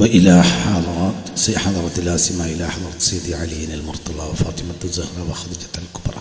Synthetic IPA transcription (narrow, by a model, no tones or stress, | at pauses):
wɪʔɪlaħɑðˤɑɾˤɑt̪siħɑðˤɑɾˤɑt̪laːsɪmaʔɪlaħɑðˤɑɾˤɑt̪sˤiːd̪iʕaljːɪnɪlmʊɾt̪ˤɑlɑwɪfɑ̰ːt̪ˤɪmad̪ɨzahɾˤɑwɪxɑd̪ˤid͡ʒḁt̪alkʊbɾˤɑ̰